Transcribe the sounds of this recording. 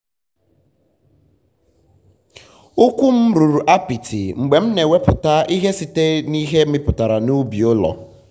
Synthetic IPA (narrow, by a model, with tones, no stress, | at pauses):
u˦kʷu˦m̩˦ɾu˨ɾu˨ʔa˦pi˨tʰi˨ŋ͡m̩˨ɡ͡be˨m̩˦ne˨we˦pʊ˨ta˦ʔi˦ɦe˦si˨te˦ni˦ɦe˦ɪ˦pʊ˨ta˨ɾa˨nu˦bi˨o˦lɔ̰˨